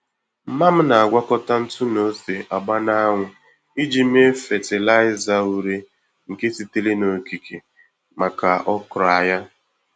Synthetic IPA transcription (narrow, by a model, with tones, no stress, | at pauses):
m̩˦ma˦m̩˦na˨a˨ɡʷa˦kɔ˦ta˦n̩˦tʊ˦no˦se˨ʔa˨ɡ͡ba˦na˦ŋʷʊ˨ | i˦d͡ʒi˨m̩˦e˦fe˨tɪ˨la˦ɪ˦za˨u˨ɾe˦ | ŋ̩˨ke˦si˨te˦le˦no˨ki˨kʰe˨ | ma˨ka˨ʔɔ˦kɾa˨ja˦